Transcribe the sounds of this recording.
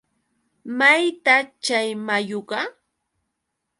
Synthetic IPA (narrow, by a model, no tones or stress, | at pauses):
majt̪at͡ʃajmajoɢɑ